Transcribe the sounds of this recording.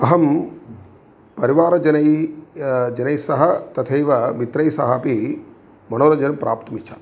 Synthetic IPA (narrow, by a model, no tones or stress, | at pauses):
ɐɦɐm | pɐɾiʋaːɾɐd͡ʒɐnɐj | d͡ʒɐnɐjsɐɦɐt̪ɐt̪ʰɐjʋɐmit̪ɾɐjsɐɦɐpi | mɐnoːɾɐd͡ʒɐnpɾʔaːpt̪ɐmit͡ʃʰaː